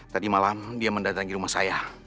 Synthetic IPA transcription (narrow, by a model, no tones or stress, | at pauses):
t̪adimalamdiaməndat̪aŋiɾumahsa̰ja